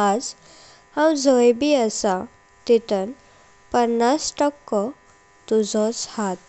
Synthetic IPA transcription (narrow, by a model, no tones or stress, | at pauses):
ad͡z | hamd͡zojbiəsa | t̪it̪ən | pənːasʈɔkːɔ | t̪ud͡zɔt͡shat̪̚